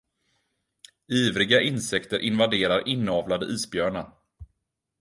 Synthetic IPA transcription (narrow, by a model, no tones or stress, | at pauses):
iːvɾɪɡaʔɪnsɛkt̪əɾʔɪnvad̪eːɾaɾʔɪnːɑːvlad̪ə̰ʔiːsbjœːɳa